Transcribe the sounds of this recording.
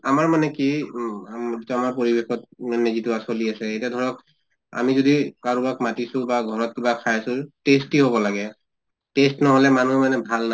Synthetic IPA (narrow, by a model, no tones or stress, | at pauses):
amaɹmanɛki | zitamaɹp̬oɹibexɔt̚manɛzitʊasoliasɛetiadʱɔɹɔk | a̰mizodikaɹubakmatisʊ̃baɡʱɔɹɔt̚kibakʰajasʊtestiɦobɔlaɡɛ | testnɔɦolɛmanuɛmanɛbʱalna